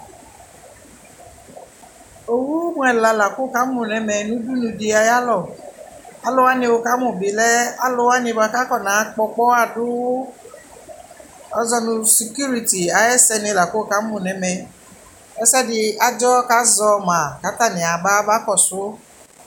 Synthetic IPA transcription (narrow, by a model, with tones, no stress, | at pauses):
o˨wu˦mʷ˦ɛ˨la˨la˨kʊ˦˨ka˨˦mʊ˨nɛ˨˦mɛ˧nũ˦du˦nu˧di˧a˧ja˦lɔ˨ | a˦lɔ˦wa˦nɪ˧wo˧ka˦mʊ̃˨bɪ˨lɛ˦a˦lʊ˧a˦nɪ˧˦ba˧ka˦kɔ˦na˨˦k͡pɔ˧k͡pɔ˦a˧dʊ˦ | ɔ˦zɔ˧nʊ̃˧si˨kju˦ɾi˨ti˨a˨˦jɛ˦sɛ˧nɪ˧la˨ko˦˨ka˨˦mʊ˨nɛ˨˦mɛ˨˧ | ɛ˦sɛ˦dɪ˧a˦d͡ʒɔ˦ka˦zɔ˧ma˨ka˨˦ta˦˨nɪ̃˨a˨ba˦ba˦kɔ˨sʊ˨˦